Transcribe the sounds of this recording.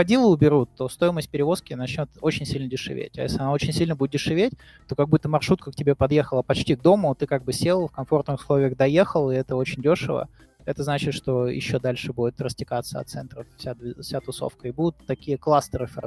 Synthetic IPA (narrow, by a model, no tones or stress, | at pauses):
ɐdʲilˠəʊbʲɪɾut̪ːo̞st̪o̞jɪməsʲt̚ʲpʲɪɾʲɪvo̞skʲɪnɐt͡ɕnʲo̞t̪ot͡ɕɪnʲsʲilʲnədʲɪʂɨ̰vʲḛtʲɐ̰jḛsʲlʲɪɐnao̞t͡ɕɪnʲsʲilʲnəbudʲɪt̪dʲɪʂɨvʲetʲ | t̪o̞kɐɡ̚but̪ːəmɐrʂut̪̚kək̚tʲɪbʲe̞pɐd̪je̞xəlˠəpɐt͡ɕtʲiɡ̚d̪o̞mʊt̪ɨkaɡ̚bɨsʲelˠfkɐmfo̞rt̪nɨxʊ̥slˠo̞vʲɪjəɣd̪ɐjexəlˠɪɛt̪əo̞t͡ɕɪnʲdʲo̞ʂɨvə̰ | ɛt̪əznat͡ɕɪt̪ʂt̪o̞jɪ̰ɕːod̪alʲʂɨbudʲɪt̪rəstʲɪkat̪səɐt̪sɛnt̪ɾəffsʲad̪vʲɪfsʲat̪ʊso̰fkəɪbud̪ʊt̪ːɐkʲijəklˠast̪əɾɨf